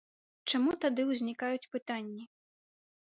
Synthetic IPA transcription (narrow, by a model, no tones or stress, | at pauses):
t͡ʂamut̪ad̪ɨwzʲnʲikajut͡sʲpɨt̪anʲːi